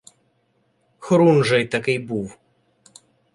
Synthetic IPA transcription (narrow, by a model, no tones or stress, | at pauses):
xɾunʐɛjt̪ɐkɪjbuw